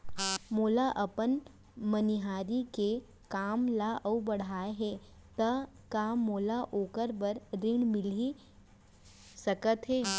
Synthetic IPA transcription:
moːlaʔɐpən | məniɦaːɾike | kaːmlaʔəubɐɽ̤aːeɦɛː | t̪ɐ | kamoːlaʔoːkəɾbəɾɾɪɳmɪli | sɐkət̪ɦɛː

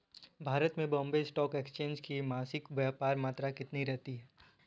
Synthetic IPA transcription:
bʱaːɾət̪mẽbɔ̃ːmbesʈɔːkeːkst͡ʃẽːnd͡ʒkimaːsɪkʋjaːpaːɾmaːt̪ɾakɪt̪niɾɛɦt̪iɦɛː

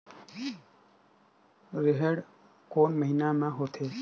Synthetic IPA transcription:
ɾeɦeɽ | koːnməɦinamãɦot̪ʰeː

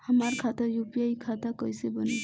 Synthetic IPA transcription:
hamaɾkʰat̪əɾjupijajkʰat̪akɔjsebɔni

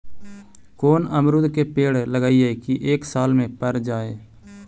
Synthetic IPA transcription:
koːnəmɾʊd̪keːpeːɽləɡaːiːɦeːkiʔeːksaːlmẽːpəɾd͡ʒaːeː

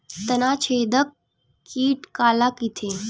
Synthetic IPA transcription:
t̪ənaːt͡ɕʰeːd̪əkː | iːʈkaːlakit̪ʰe

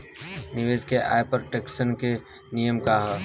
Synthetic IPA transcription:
nɪʋeːd͡ʒkeʔa̰ːjpəɾʈeksənke | nijəmkaɦɛ

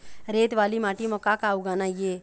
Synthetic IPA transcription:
ɾeːt̪ʋaːlimaːʈimɔkakaːuɡaːnaːjeː

